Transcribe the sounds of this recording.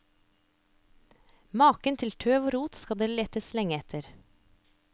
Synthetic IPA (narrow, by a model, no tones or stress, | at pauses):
mɑːkənt̪ʰɪlt̪ʰøːʋoːɾuːt̪skɑd̪eːleːt̪əslɛŋəɛt̪ʰəɾ